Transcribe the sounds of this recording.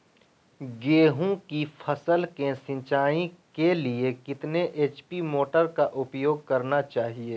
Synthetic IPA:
ɡeːɦũkipʰɐsəlkẽsɪ̃nt͡ʃaːĩkeliekɪt̪neʔeːt͡ʃpimoːʈəɾkaʔʊpjoːɡ̚kɐɾnat͡ʃaːɦieː

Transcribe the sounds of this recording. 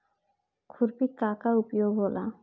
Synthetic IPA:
kʰuɾpikakaupjoɡɦolʔa̰

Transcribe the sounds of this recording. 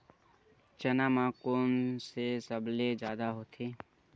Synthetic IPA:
t͡ʃənaːmãːkoːnsesəbled͡ʒjaːd̪aɦoːt̪ʰeː

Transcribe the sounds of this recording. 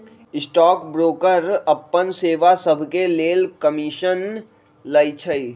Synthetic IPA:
ɪsʈɔːkbɾoːkəɾɐpːənseːʋasəbʱkeleːlkəmɪʃən | lɐɪt͡ʃʰəi

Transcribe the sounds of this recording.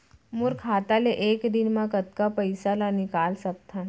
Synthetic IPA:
mʊɾkʰaːt̪aleʔeːkd̪ɪnmãkɐt̪̚kapɐɪsalanɪkaːlsɐk̚t̪ʰa

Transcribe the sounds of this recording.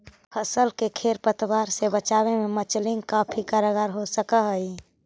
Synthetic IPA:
pʰəsəlkekʰeɾpət̪waɾsebət͡ʃabememət͡ʃlɪ̃ŋɡkapʰikaɾəɡaɾɦosəkəɦəi

